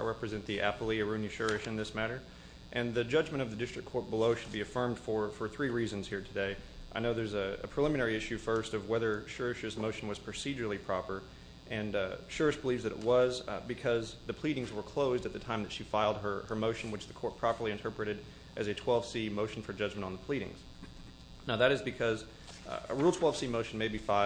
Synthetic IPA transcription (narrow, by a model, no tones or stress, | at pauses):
ɹɛpɹɨzɛ̃nðiʔæ̰pl̩ˠiɨɹʉ̃nɨʃʊ˞ɨʃɨ̃nðɪsmæɾə˞ | ʔɨ̃nðɨd͡ʒʌd͡ʒmɨ̃ɾ̃ʌvðɨdɪstɹ̥ɨkʰːɔɹt̚b̥əloʊʃɨd̚biɨfɜ̃˞md̥fə˞fə˞θɹiɹizɨ̃nz̥hiɹtʰɨdeɪʔaɪnoʊðə˞zɨɨ̰pʰɹ̥ɨlɪ̃mɨ̃nɛɹiɪʃʉfɜ˞stʌvwɛðə˞ʃɜ˞ɨʃɨzmoʊʃn̩wʌz̥pʰɹ̥ɨsid͡ʒə˞l̩ˠipʰɹ̥ɑpə˞ | ʔɨ̃nʃʊɹɨs̚b̥əlivzðɨɾɨ̰ʔt̚wʌzbɨkʰʌzðɨpʰl̥iɾɪ̃ŋzwə˞kʰl̥oʊzdɨt̪̚ðɨtʰãɪ̃mðɨtʃifaɪlˠd̚ə˞ə˞moʊʃn̩wɨt͡ʃðɨkʰɔɹt̚pʰɹ̥ɑpə˞lˠiɨ̃ntʰɜ˞pɹɨɾɨɾ | ʔɨzɨtʰw̥ɛlˠv̥simoʊʃn̩fə˞d͡ʒʌd͡ʒmɨ̃ntn̩ðəpʰl̥iɾɪ̰̃ŋz̥ | naʊðɨɾɨzbɨkʰʌz | əɹilˠtʰwɛlˠv̥simoʊʃn̩meɪbifaɪ